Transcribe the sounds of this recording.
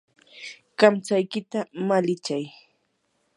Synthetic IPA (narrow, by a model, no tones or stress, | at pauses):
kamt͡sajkɪt̪amalɪt͡ʃaj